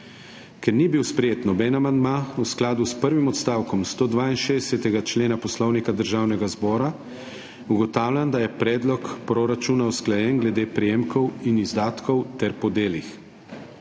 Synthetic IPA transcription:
kɛɾnibiwspɾɛjeːt̪nɔbɛːnamand̪mausklaːd̪uspəɾʋimɔt̪st̪aːwkɔmst̪oːd̪ʋaːinʃed̪ɛsɛt̪ɛɡat͡ʃleːnapɔslɔwnikad̪əɾʒaːwnɛɡazbɔːɾa | uɡɔt̪aːwlʲjʲand̪ajɛpɾɛːd̪lɔkpɾoɾat͡ʃunausklajɛnɡlɛd̪eːpɾɛjeːmkɔwinizd̪aːt̪kɔwt̪ɛɾpɔd̪eːlix

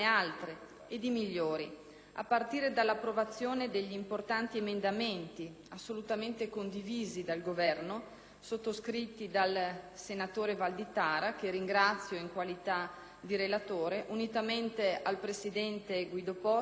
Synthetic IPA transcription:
ealt̪ɾe | ed̪imiʎːoːɾi | a̰pːart̪iːɾed̪alːapːɾovat̪sːjoːned̪eʎːiːmport̪ant̪iemend̪ament̪i | asːolut̪ament̪ekond̪iviːzid̪alɡovɛrno | sot̪ːoskɾit̪ːid̪alsenat̪oːɾevald̪it̪aːɾakeɾiŋɡɾat̪sːjoiŋkwalit̪a | d̪iɾelat̪oːɾeʔunit̪ament̪ealpɾesid̪ɛnt̪eɡwid̪opɔ

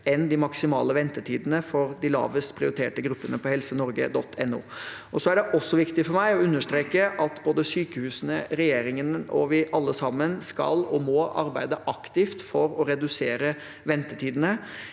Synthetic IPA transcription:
ɛnd̪ɪmɑksɪmɑ̰ːləʋɛnt̪əʈʰiːd̪ənəfɔɾd̪ɪlɑ̰ːʋəspʰɾɪʊɾɪt̪ʰḛːʈəɡɾʉpːənəpʰɔhɛlsənɔɾɡə̰d̪ɔt̪ʰːɛnːṵː | ɔsɔæɖɛʔɔsːɔʋɪkt̪ɪfɔɾmæɪɔʉnːəʂt̪ɾeːkəʔɑt̪boːd̪əsyːkəhʉːsənəɾɛjeːɾɪŋənɔ̰ʋɪʔɑlːəsɑmːənskɑ̰lɔmɔɑɾbæɪd̪əʔɑkt̪ɪft̪fɔɾɔɾɛd̪ʉseːɾə | ʋɛnt̪əʈʰiːd̪ənə

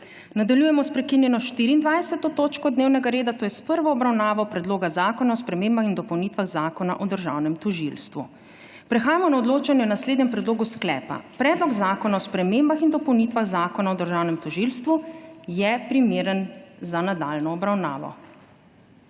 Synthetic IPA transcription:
nad̪aljuːjɛmɔspɾɛkinjɛnɔʃt̪iɾiːnd̪ʋajsɛt̪ɔt̪oːt͡ʃkɔd̪neːwnɛɡaɾeːd̪at̪oːjɛspəɾʋɔːbɾawnaːʋɔpɾɛd̪loːɡazaːkɔnaɔspɾɛmeːmbaxind̪ɔpɔwnit̪ʋaɣzaːkɔna̰ʔɔd̪əɾʒa̰wnɛmt̪ɔʒilst̪ʋṵ | pɾɛxaːjamɔnaɔd̪loːt͡ʃanjɛɔnasleːd̪nɲɛmpɾɛd̪loːɡusklɛ̰ːpa̰pɾɛːd̪lɔɡzaːkɔnaɔspɾɛmembaxind̪ɔpɔwnit̪ʋaɣzaːkɔnaɔd̪əɾʒawnɛmt̪ɔʒilst̪ʋujɛpɾimeːɾənzanad̪aːlnɔːbɾawna̰ːʋɔ̰

